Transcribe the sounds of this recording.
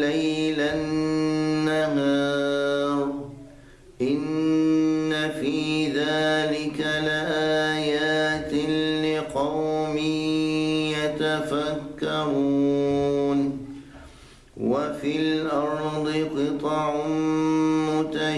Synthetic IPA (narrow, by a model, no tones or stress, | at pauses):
lajlanːaɦaaːɾˤ | ʔɪnː | afiːðaːlɪkalɪʔaːjaːt̪ɪlɪqɑwmɪ | jat̪afakːaɾuːn | wafɪlʔɑɾˤd̪ˤɨqɨt̪ˤɑʕ | mʊt̪a